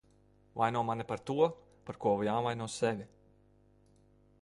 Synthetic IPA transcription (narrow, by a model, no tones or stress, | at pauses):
vajnuɔmanipaɾt̪uɔ | paɾkuɔvjaːvajnuɔssɛvʲi